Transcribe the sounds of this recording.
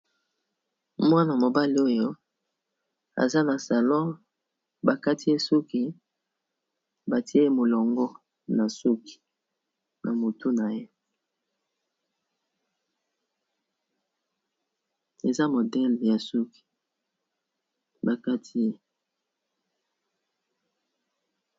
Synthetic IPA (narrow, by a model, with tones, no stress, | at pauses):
mwa˦na˨mo˨ba˦li˦o˦jo˦ | a̰˨za˦na˨sa˨lɔ̃˦ | ba˨ka˦ti˦e˦su˦ki˨ | ba˨ti˦e˦mo˨lɔ˨ŋɡɔ˦ | na˨su˦ki̥˨ | nʔa̰˨mo˨tu˦na˨je˦ | e˨za˦mo˨dɛ˦lja˨su˦ki̥˨ | ba˨ka˦tʰi˦e˦